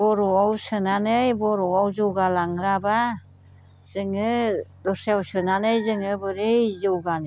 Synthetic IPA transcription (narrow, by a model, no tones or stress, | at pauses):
bɔɾɔawsɯnanɯjbɔɾɔawzɯwɡalaŋɯɾaba | z̥ɯŋɯdɔsewsɯnanɯjzɯŋɯbɯɾejzɯwɡan